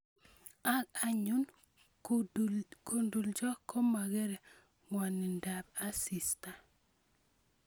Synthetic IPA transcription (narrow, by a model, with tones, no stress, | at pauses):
a˦ka˨ɲu˦n | ko˨ndu˨ld͡ʒɔ˦kʰːɔ˦ma˨ɡɛ˦ɾɛ˨ | ŋwa˨nɪ˨nda˨b̚a˦si˨sta˨